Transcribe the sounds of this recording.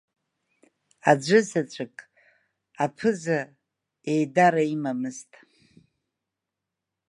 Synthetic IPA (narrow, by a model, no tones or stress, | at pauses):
ad͡ʒʷɨzat͡ʃʷʰʼɪkʼ | apʰɨza | ejdaɾaimamɨztʼ